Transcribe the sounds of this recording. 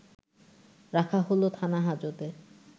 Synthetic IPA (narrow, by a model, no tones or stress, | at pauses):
ɾakʰaɦolot̪ʰanaɦad͡ʑod̪e